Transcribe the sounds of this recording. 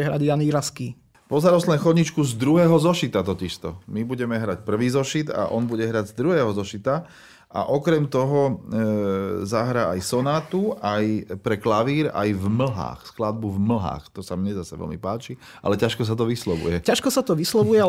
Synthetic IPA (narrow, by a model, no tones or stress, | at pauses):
ɛɦɾaɟjaniɾaski | pɔzaɾɔslɛnxɔdɲit͡ʃkuzd̪ɾuɦɛːɦɔzɔʃit̪at̪ɔciʃt̪ɔmibuɟɛmɛɦɾacpr̩ʋiːzɔʃit̪a̰ʔɔnbuɟɛɦɾaɟzd̪ɾuɦɛːɦɔzɔʃit̪a | a̰ʔɔkɾɛmt̪ɔɦɔ | zaɦɾaːajsɔnaːt̪uʔajpɾɛklaʋiːɾa̰jvml̩ɦa̰ːxsklad̪̚buvml̩ɦa̰ːxt̪ɔsamɲɛzasɛʋɛ̰lmḭpaːt͡ʃi | ʔa̰lɛcaʃkɔs̬at̪̬ɔʋislɔbṵjɛcaʃkɔsat̪ɔʋislɔʋujɛ